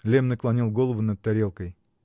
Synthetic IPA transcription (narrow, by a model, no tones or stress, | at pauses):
lʲemnɨklˠanʲilˠɡolˠəvunɐt̪̚t̪ːæɾʲelˠkəj